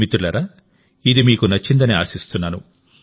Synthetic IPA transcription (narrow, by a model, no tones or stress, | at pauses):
it̪ulɐɾɐ | id̪imiːkunɐt͡ʃːind̪ɐnia̰ːsist̪unːaːnu